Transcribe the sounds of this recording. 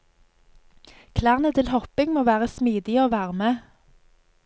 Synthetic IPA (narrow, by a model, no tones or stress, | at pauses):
kʰlæːʁnət̪ʰɪlhɔpɪŋmoːʋæːʁəsmiːd̪ɪoːʋæːʁəmə